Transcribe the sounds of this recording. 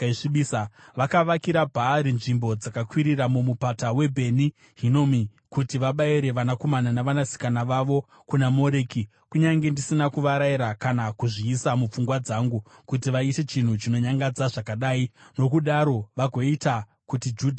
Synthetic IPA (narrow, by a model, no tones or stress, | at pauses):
iɓisaʋakaʋakiɾabʱaɾinʐimbo̞d͡zakakwiɾiramumupatawe̞bʱe̞ni | ɦino̞mi | kutiʋaɓaiɾe̞ʋanako̞mananaʋanasi̥kanaʋaʋo̞ | kunamo̞ɾeːki | kuɲaŋɡe̞ndisinakuʋaɾaiɾakanakuʐiːsamup͡fuŋɡwad͡zaŋɡukut̬iʋaite̞t͡ʃin̤ut͡ʃino̞ɲaŋɡad͡zaʐakaɗaːino̞kuɗaɾo̞ʋaɡʱo̞ita | kutid͡ʒuːdʱa